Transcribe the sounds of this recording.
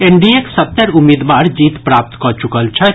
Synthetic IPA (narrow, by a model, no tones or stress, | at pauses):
eɳɖieksət̪ːəɾʊmːid̪ʋaːɾd͡ʒiːt̪pɾaːp̚t̪kɔt͡ʃukəlt͡ʃʰɛ